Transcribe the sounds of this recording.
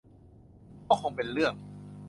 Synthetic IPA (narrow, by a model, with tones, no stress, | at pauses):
kɔː˥˩kʰo˧ŋpe˧nɾɯ˥˩əŋ